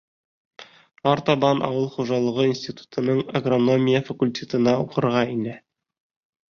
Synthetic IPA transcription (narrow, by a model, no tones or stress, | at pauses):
ɑɾt̪ɑbɑnʔɑ̰wɤlˠχuʒɑlˠɤ̆ʁɤinsʲtʲit̪u̥t̪ʰɤ̆nɤɴɐɡrono̞mʲijəfɐkulʲtʲet̪ɤ̆nɑuqɤ̆ɾʁɑinɘ